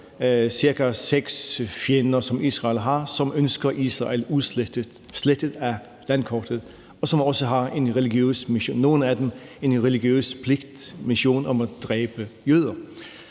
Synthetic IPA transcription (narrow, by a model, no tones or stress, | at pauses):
siɐɡ̥æseɡ̥sfjenɐsɒ̽miːsʁɑ̈ɪlɦɑ̈sɒ̽mønsɡ̥ɐʔisʁɑ̰elu | sled̥əðˠæ | lænkʰɒd̥əðˠ | ɒ̽sɒ̽mɒ̽səɦɑ̈e̝nʁɛliɡ̥jø̰ːsmio̝̰ːnːo̝ːn̩æd̥eme̝nʁɛliɡ̥jø̰ːspʰleɡ̥d̥miɕo̝̰ːnɒ̽mæd̥ʁɛːb̥əjøːð̞̰ˠɐ